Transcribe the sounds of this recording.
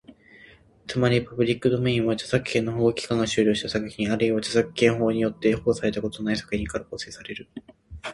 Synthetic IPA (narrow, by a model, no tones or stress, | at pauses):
t͡sɨmaɾʲipabɯ̟ɾʲikːɯd̪o̞mẽ̞ĩɰ̃βat͡ɕḁsakɯ̟̥kẽ̞nːoɦoːkʲi̥kãŋɡaɕɨːɾʲo̞ːɕi̥t̪asakɯ̟̥çʲĩɰ̃aɾɯiβat͡ɕasakɯ̟̥kẽ̞ɰ̃ɦo̞ːɲ̟ijo̞t̪ːe̞ho̞ːsaɾe̞t̪ako̞t̪onaisḁkɯ̟çʲĩŋkaɾakoːsɨ̥esaɾe̞ɾɯ̟